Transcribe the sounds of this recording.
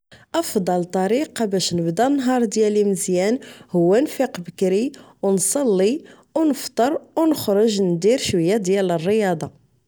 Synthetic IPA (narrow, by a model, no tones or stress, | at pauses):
ʔɑfd̪ˤɑlt̪ˤɑɾiqɑbæʃnəbd̪ænːɦɑɾˤd̪jæliməzjænhʊwːænfiqbəkɾi | wnsˤɑlːi | wnəft̪ˤəɾˤwnəxɾʊʒnd̪iɾʃwəjːæd̪jælərːəjɑd̪ˤɑ